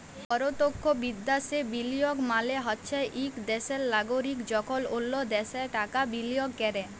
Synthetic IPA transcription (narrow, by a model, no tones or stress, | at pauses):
pɔɾot̪okʰːobid̪ːasebilijoɡmaleɦɔtːɕʰajʔikd̪ɛselːaɡoɾikd͡ʑɔkʰololːod̪ɛseʈakabilijoɡkɛɾe